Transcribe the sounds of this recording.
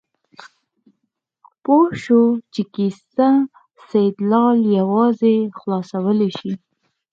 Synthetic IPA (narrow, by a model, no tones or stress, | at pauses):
poʃot͡ʃekisa | sajd̪lɑljawɑzexlɑsawəleʃi